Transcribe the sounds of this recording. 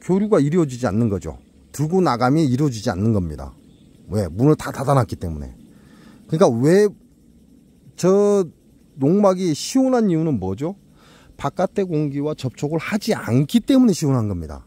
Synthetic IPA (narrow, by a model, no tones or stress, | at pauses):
kjoɾjuɡaiɾʌd͡ʑid͡ʑia̰nːɯnɡʌd͡ʑo̰ | tɯɭɡonaɡamjeiɾʌd͡ʑid͡ʑia̰nːɯnɡʌmɲida̰ | we̞munɯɭtatadanak͈it͈e̞̰mune̞̰ | kɯɲik͈awe̞ | t͡ɕʌ | noŋmaɡiɕʰiwonɦanijunɯnmʌd͡ʑo | pak͈atʰe̞koŋɡiwat͡ɕʌp̚t͡ɕʰoɡɯɭhad͡ʑia̰nkʰit͈e̞mune̞ɕʰiwonɦanɡʌmɲida̰